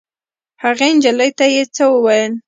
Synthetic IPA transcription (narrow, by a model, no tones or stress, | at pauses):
haɣend͡ʒaləjt̪ajet͡səwəwajəl